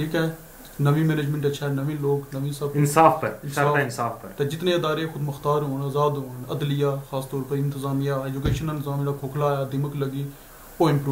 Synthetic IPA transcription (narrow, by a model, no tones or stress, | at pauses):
ʈʰiːkɛ | nəʋĩːmeːneːd͡ʒmẽɳʈəːʃʰaɛnɐʋẽːloːknəʋĩːsəbɪnsaːfpəɾɪnsaaːaɪnsaːfpəɾt̪ed͡ʒɪt̪nẽɪd̪aːɾexʊd̪məxt̪aːɾɦoːnɐzaːd̪ɦoːnɐd̪lɪjaːxaːst̪ɔːɾpəɾɪ̃nt̪ɪzaːmijaːeːd͡ʒʊkeːʃənɪ̃nt̪ɪzaːmd̪akʰoːkʰlaːjaːd̪ɪməkləɡiː | oːɪ̃mpɾuː